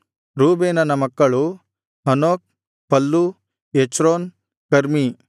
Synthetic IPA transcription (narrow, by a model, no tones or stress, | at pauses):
ɾuːbeːnɐnɐmɐkːɐɭu | ɐnoːk̚ | pɐlːu | et͡ʃɾoːn | kɐɾmi